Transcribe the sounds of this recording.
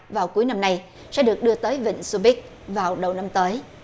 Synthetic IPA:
vaː˨˩wku˨˦jna˧mna˧j | sɛ̰˧˥ɗɨ˨˩ək̚ɗɨ˧ət̪əː˨˦jvḭ˧˨ŋ̟su˧ɓi˦˥k̚ | vaː˨˩wɗə˨˩wna˧mt̪əː˨˦j

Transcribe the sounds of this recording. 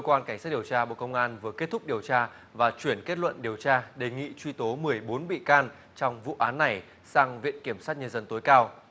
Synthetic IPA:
kə˧kwaː˧nka˧˩jŋsaː˦˥t̚ɗi˨˩ə˩wt͡ɕaː˧ɓo̰˧˨kə˧wŋ͡mʔaː˧nvɨ˨˩əke˦˥t̚t̪ʰʊ˦˥k͡p̚ɗi˨˩əwt͡ɕaː˧ | vaː˨˩t͡ɕwi˧˩ənke˦˥t̚lwə̰˧˨nɗi˨˩əwt͡ɕaː˧ɗe˨˩ŋḭ˧˨t͡ɕwi˧t̪o˨˦mɨ˨˩əjɓo˨˦nɓḭ˧˨kaː˧n | t͡ɕɔ˧wŋ͡mvṵ˧˨ʔaː˨˦nːa˨˩j | saː˧ŋvḭ˧˨ənki˧˩əmsaː˦˥t̚ɲə˧nzə˧nt̪o˨˦jkaː˧w

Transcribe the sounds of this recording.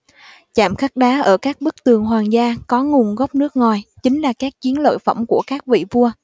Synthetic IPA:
t͡ɕa̰ː˧˩˨mxa˦˥k̚ɗaː˨˦ʔəː˧˩kaː˦˥k̚ɓɨ˦˥k̚t̪ɨ˨˩əŋɦwaː˨˩ŋzaː˧kɔ˨˦ŋu˨˩ŋɣɔ˦˥p̚nɨ˦˥ək̚ŋɔ˨˩jt͡ɕï˨˦ŋ̟laː˨˩kaː˦˥k̚t͡ɕi˨˦ənlə̰ː˧˨jfə̰˧˩wŋ͡mku˧˩əkaː˦˥k̚vḭ˧˨vu˧ə

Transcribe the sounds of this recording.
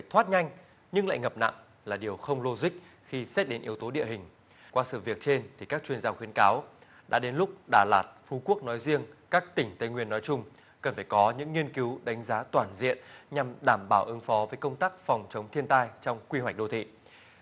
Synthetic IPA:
faː˧˩jt̪ʰwaː˦˥t̚ɲa˧jŋ̟ | ɲɨ˧ŋla̰ː˧˨jŋə˨˩p̚na̰˧˨ŋ | laː˨˩ɗi˨˩əwxə˧wŋ͡mlo˧zï˦˥k̟̚ | xi˧st̚ɗe˨˦nʔi˨˦əwt̪o˨˦ɗḭ˧˨əɦï˨˩ŋ̟ | kwaː˧sɨ̰˧˨vi˨˩ək̚t͡ɕe˧nt̪ʰi˨˩kaː˦˥k̚t͡ɕwi˧ənzaː˧xwi˨˦ənkaː˨˦w | ɗa̰ː˧˥ɗe˨˦nlʊ˦˥k͡p̚ɗaː˧˩laː˨˩t̚fu˨˧˦ku˦˥ək̚nɔ˨˦jzi˧əŋkaː˦˥k̚t̪ï˧˩ŋ̟t̪ə˧jŋwi˧˩ənːɔ˨˦jt͡ɕʊ˧ŋ͡m | kə˨˩nfaː˧˩jkɔ˨˦ɲɨ̰˧˥ŋːi˧ənki˨˦wɗa˨˦jŋ̟zaː˨˦t̪waː˧˩nzḭ˧˨ənɲa˨˩mɗaː˧˩mɓaː˧˩wʔɨ˨˦ŋfɔ˨˦vəː˨˦jkə˧wŋ͡mt̪aː˦˥k̚fɔ˨˩wŋ͡mt͡ɕə˨˦wŋ͡mt̪ʰi˧ənt̪aː˧jt͡ɕɔ˧wŋ͡mkwi˧ɦwa˩k̟̚ɗo˧t̪ʰḭ˧˨

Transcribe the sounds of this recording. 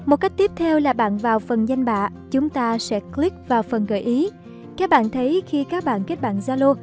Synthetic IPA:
mo˨˩t̚ka˦˥jk̚t̪i˦˥əp̚t̪ʰɛ˧wlaː˨˩ɓa̰ː˧˨nvaː˨˩wfə˨˩nza˧jŋ̟ɓa̰ː˧˨ | t͡ɕʊ˨˦ŋ͡mt̪aː˧sɛ̰˧˥kli˦˥k̚vaː˨˩wfə˨˩nɣə̰ː˧˩jʔi˨˦ | kaː˦˥k̚ɓa̰ː˧˨nt̪ʰə˨˦jxi˧kaː˦˥k̚ɓa̰ː˧˨nke˦˥t̚ɓa̰ː˧˨nzaː˧lo˧

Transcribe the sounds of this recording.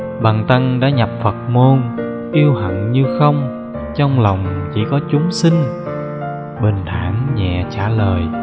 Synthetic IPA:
ɓaː˨˩ŋt̪ə˧ŋɗa̰ː˧˥ɲa˨˩p̚fə˨˩t̚mo˧n | ʔi˧əwhə̰˧˨nɲɨ˧xə˧wŋ͡m | t͡ɕɔ˧wŋ͡mla˨˩wŋ͡mt͡ɕi˧˩kɔ˨˦t͡ɕʊ˨˦ŋ͡msï˧ŋ | ɓe˨˩nt̪ʰaː˧˩ŋɲɛ̰˧˨t͡ɕaː˧˩ləː˨˩j

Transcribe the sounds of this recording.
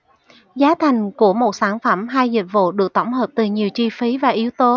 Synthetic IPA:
zaː˨˦t̪ʰa˨˩jŋ̟ku˧˩əmo˨˩t̚saː˧˩nfə˧˩mɦaː˧jzi˨˩t̚vṵ˧˨ɗɨ˨˩ək̚t̪ə˧˩wŋ͡mɦəː˨˩p̚t̪ɨ˨˩ɲi˨˩əwt͡ɕi˧fi˨˦vaː˨˩ʔi˨˦wt̪o˨˦

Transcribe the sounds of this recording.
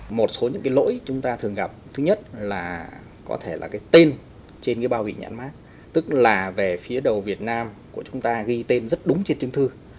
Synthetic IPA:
mo˨˩t̚so˨˦ɲɨ̰˧˥ŋkaː˨˦lo̰˧˥jt͡ɕʊ˨˦ŋ͡mt̪aː˧t̪ʰɨ˨˩əŋɣa˨˩p̚t̪ʰɨ˨˦ɲə˦˥t̚laː˨˩ | kɔ̰˨˦t̪ʰe˧˩laː˨˩kaː˨˦jt̪e˧n | t͡ɕe˧nɣḭ˧˥əɓaː˧wvḭ˧˨ɲa̰˧˥nmaː˦˥k | t̪ɨ˦˥k̚laː˨˩ve˨˩fi˨˦əɗə˨˩wvi˨˩ət̚naː˧mku˧˩ət͡ɕʊ˨˦ŋ͡mt̪aː˧ɣi˧t̪e˧nzə˦˥t̚ɗʊ˨˦ŋ͡mt͡ɕe˧nt͡ɕɨ˧ŋt̪ʰɨ˧

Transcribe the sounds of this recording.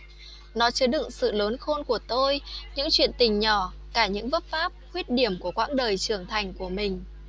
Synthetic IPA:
nɔ˨˦t͡ɕɨ˨˦əɗɨ̰˧˨ŋsɨ̰˧˨ləː˨˦nxo˧nku˧˩ət̪o˧jɲɨ̰˧˥ŋt͡ɕwḭ˧˨ənt̪ï˨˩ŋ̟ɲɔ˧˩ | kaː˧˩ɲɨ̰˧˥ŋvə˦˥p̚faː˦˥p̚hwi˦˥ət̚ɗi˧˩əmku˧˩əkwa̰ː˧˥ŋɗəː˨˩jt͡ɕɨ˨˧˩əŋt̪ʰa˨˩jŋ̟ku˧˩əmï˨˩ŋ̟

